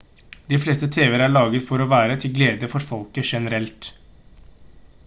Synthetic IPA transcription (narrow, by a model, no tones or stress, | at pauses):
d̪iːfleːst̪ət̪ʰeːʋəɾæɭɑːɡət̪fɔɾɔːʋæːɾət̪ʰɪlɡleːd̪əfɔɾfɔlkəʂɛnəɾɛlt̪